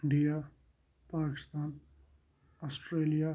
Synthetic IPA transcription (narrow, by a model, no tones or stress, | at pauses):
ɪ̃ɳɖija | paːkɪst̪aːn | asʈɾeːlija